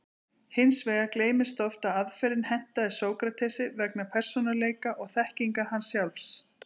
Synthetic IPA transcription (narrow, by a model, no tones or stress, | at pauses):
hɪnsveːɣakleːjmɪst̪ɔft̪aðaðfɛɾɪnhɛn̥t̪aðɪsoːwkɾat̪ʰɛsɪvɛknapʰɛr̥sɔnaleːjkaʔɔɣθɛhciŋkahansːjawlfs